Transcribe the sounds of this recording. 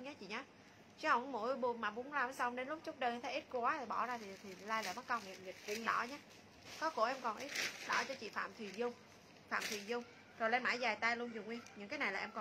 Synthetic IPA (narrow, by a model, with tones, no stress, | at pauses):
ɲaː˨˦t͡ɕḭ˧˨ɲaː˨˦ | t͡ɕha˧˩mo̰˧˥˨jɓu˧˩maː˨˩ɓʊ̰˨˧˦ŋlaː˧˩msa˧wŋ͡mɗe˨˦nlʊ˦˥k͡p̚t͡ɕʊ˦˥k͡p̚ɗə˧ʔmt̪ʰa˨˦ʔi˦˥t̚kwaː˨˦t̪ʰi˨˩ɓɔ˧˩zaː˧t̪ʰi˨˩t̪ʰi˨˩laː˧jla̰˧˨˩ma˦˥ka˧wŋḭ˨nzi˨˩t̚vḭ˧˨ənɗɔ̰˧˩ɲaː˨˦ | kɔ˨˦ko̰˧˩ʔɛ˧mkɔ˨˩nʔi˦˥t̚ɗɔ˧˩t͡ɕɔ˧t͡ɕḭ˧˨fa̰ː˧˨mt̪ʰwi˨˩zʊ˧wŋ͡m | fa̰ː˧˨mt̪ʰi˨˩zʊ˧wŋ͡m | zo˨˩lɛ˧nmaː˧˩jzaː˨˩jt̪aː˧jlu˧ənzu˨˩ŋwi˧ənɲɨ̰˧˥ŋkaː˨˦jna˨˩jlaː˨ʔɛ˧mkɔ˨˩